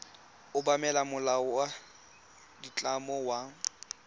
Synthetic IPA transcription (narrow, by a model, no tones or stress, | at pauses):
ʊbamɛlamʊlawa | dit͡ɬʼamɔwa